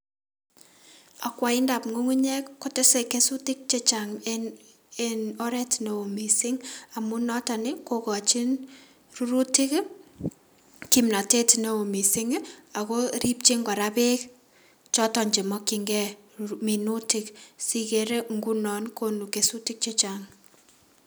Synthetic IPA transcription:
a˨kwa˨ɪ˦nda˨pŋo˦ŋu˦ɲɛ˦kkːo˦te˦se˨ke˦su˦tɪ˦k̚t͡ʃe˦t͡ʃa˨ŋ | eno˦ɾɛ˦tno˨o˨mi˨sɪŋa˨mu˦nɔ˦ta˨nɪ˦kokɔ˨t͡ʃi˦n | ru˦ɾu˦tɪ˦k | kimna˨te˦tne˨o˨mi˨sɪ˦ŋa˨ko˦ɾi˦p̚t͡ʃi˦ŋɡɔ˨ɾape˦k | t͡ʃɔ˦tɔ˨ɲd͡ʒe˨mɔ˦kiŋɡɛ˦ | mi˨nu˦tɪ˦ksi˦keɾe˦ŋɡu˦nɔ˨nkonukesu˦tɪ˦k̚t͡ʃe˦t͡ʃaŋ

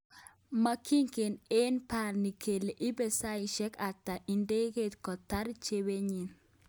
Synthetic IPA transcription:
ma˦kʰi˦ŋke˨ne˦npa˨ɾni˨kʰe˨le˨ʔɪ˦be˨sa˦i˨ʃɛ˦ka˨tːa˨ʔi˨nde˦ɣe˦t̪kɔ˨t̪a˦ɾt͡ʃe˦we˦ɲi˨n

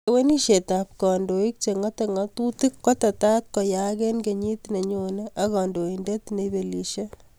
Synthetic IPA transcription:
ewe˦ni˦ʃe˨tap̚kɔ˨ndo˨i˦k̚t͡ʃe˨ŋɔ˦te˨ŋɔ˦tu˦ti˦kːɔ˦ta˨ta˦t̚kɔ˨ja˦ke˦nke˨ɲi˦t̪ne˨ɲoneʔɐ˦kɔ˨ndo˨indet̪ne˨be˨li˨ʃe˦

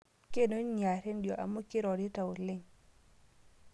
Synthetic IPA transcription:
ke˦no˦ɲa˨ɾe˦ndjɔ˨ʔa̰˨mo˦kɪ˦ɾɔ˨dɪ˦ta˨o˨lɪ˦ŋ

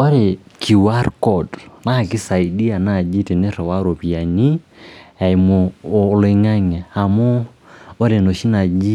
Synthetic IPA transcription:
ɔ˦ɾe˨kʰi˨wa˦ɾkɔ˨dna˦˨kɪ˦sa˨i˨di˦a˨na˦˨d͡ʒi˦te˨nɪ˦ɾɔ˨wa˦ɾo˨pi˨a˨ni˦ | a˨i˨mo˨le˦˧˦ŋa˦ŋɛ˨a˨mɔ˦ | o˦ɾe˨no˨ʃi˦na˨d͡ʒi˦

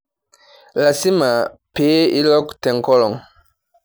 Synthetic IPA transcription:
la˨si˦ma˨pe˦i˦lɔ˦ktɛ˨ŋ˨kɔ˦lɔ˨ŋ

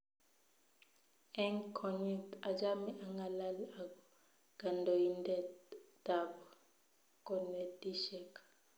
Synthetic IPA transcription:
ɛ˦ŋkʰɔ˨ɲɛ˨ta˨d͡ʒa˦mi˦ʔa˨ŋɡa˨la˦la˨ɡɔ˨ | ɡ̥a˨ndɔ˨ji˦ndɛ˦da˨bɔ˨ | kɔ˨nɛ˨di˦ʃɛ˦˨kḁ˨

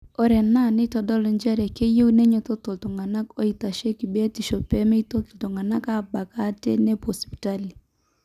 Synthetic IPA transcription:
o˨ɾɛ˨na˦˨nɪ˦tɔ˨dɔ˦li˨nd͡ʒɛ˦ɾɛ˨ke˦je˦u˦ne˦ɲo˨to˦to˨lto˨ŋa˨na˦ko˦i˨ta˨ʃe˦ki˨be˦ti˨ʃo˨pɛ˦me˦i˦to˦to˨to˨ŋa˨na˦ka˦ba˨ka˦tḛ˦ne˦pɔ˨spi̥˨ta˦li˨

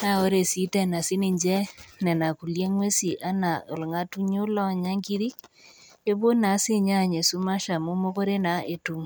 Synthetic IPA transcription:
na˦o˦ɾe˨si˦tɛ˨na˨si˦ni˨ɲd͡ʒɛ˦nɛ˨na˨ku˨lje˦ŋwe˦si˨ʔa˦na˨o̰˨lŋa˦tu˦ɲo˦la˦˨ɲa˦ŋɡi˦ði˦k̚ | e˦βo˦na˨˦se˦ɲa˦˨ɲe˨su˦ma˦ʃa˨mo˦mo˦ko˦ɾe˦na˨e˨tu˨ŋ

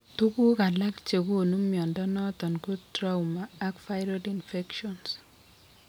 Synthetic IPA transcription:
tu˦ku˦ka˨la˦kt͡ʃe˨ku˦˨nu˦mjɔ˨ndɔ˦nɔ˦tɔ˨nku˦tɾa˦umaː˨˦kfa˦ɪɾɔ˦dinfɛ˦kʃɔns

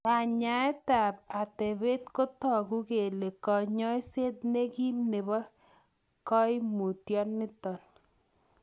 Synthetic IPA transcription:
a˨ɲa˨ɛ˦ta˨p̚a˨te˨be˦tko˦tɔ˨ɡu˦ke˨le˨kɔ˨ɲɔ˦i˦se˦t̚ne˦ki˦mne˨bɔ˦ | kɔ˦ɪ˦mu˨tjɔ˦nːɪ˦tɔ˨n

